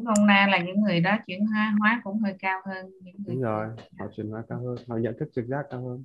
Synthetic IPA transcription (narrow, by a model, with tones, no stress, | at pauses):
ho˧wŋ͡mna˧jlaː˨˩ɲɨ̰˧˥ŋːɨ˨˩əjɗɔ˨˦t͡ɕwi˧˩ənɦwaː˨˦ɦwaː˨˦kʊ̰˧˥ŋ͡mhəː˧jkaː˧whəː˧nɲɨ̰˧˥ŋː˨˦ŋ͡mzɔ˨˩jhɔ̰˧˨t͡ɕwi˨˩nhwaː˨˦kaː˧whəː˧nhɔ̰˧˨ɲə̰˧˨nt̪ʰɨ˦˥k̚t͡ɕɨ˨˩k̚zaː˦˥kaː˧whəː˧n